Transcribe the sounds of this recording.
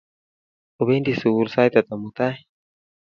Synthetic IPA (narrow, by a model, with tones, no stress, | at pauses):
o˨be˦nd̪i˨su˨u˦ɾsa˦jt̪a˨t̪a˨mut̪a˦